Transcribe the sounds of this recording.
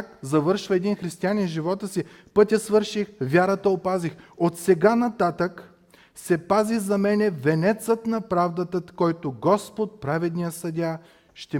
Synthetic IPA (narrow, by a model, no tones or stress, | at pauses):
kzɐvɤɾʃvɐɛd̪inxɾist̪ianʲɛnʒivɔt̪əsi | pɤt̪ʲjəsvɤɾʃixvʲaɾət̪əopazixot̪sɛɡanɐt̪at̪ək | sɛpaziɣzɐmɛnɛvɛnɛt̪sət̪nɐpɾavd̪ət̪əkɔjt̪oɡɔspot̪̚pɾavɛd̪nijəsɐd̪ʲa | ʃt̪ɛ